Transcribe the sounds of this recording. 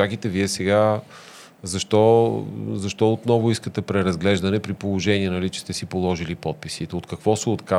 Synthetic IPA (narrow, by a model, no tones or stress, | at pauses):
ak̟it̪ɛviɛsɛɡa | zɐʃt̪ɔ | zɐʃt̪ɔot̪nɔvʊiskət̪ɛpɾɛɾɐzɡlɛʒd̪ɐnɛpɾipolˠoʒɛniɛnɐlit͡ʃɛ̥st̪ɛsipolˠɔʒilipɔt̪̚pisit̪ɛot̪kɐkvɔsɛot̪ka